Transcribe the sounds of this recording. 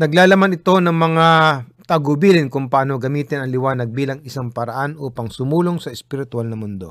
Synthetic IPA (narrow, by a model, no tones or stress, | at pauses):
nɐɡlaːlɐmanɪt̪o̞nɐŋmɐŋat̪ɐɡʊbiːlɪnkʊŋpɐaːno̞ɡɐmiːt̪ɪnɐŋlɪwaːnɐɡ̚biːlɐŋɪsaŋpɐɾɐʔanʔuːpɐŋsʊmuːloŋsɐɛspɪɾɪt̪ʊalnɐmʊnd̪o̞̰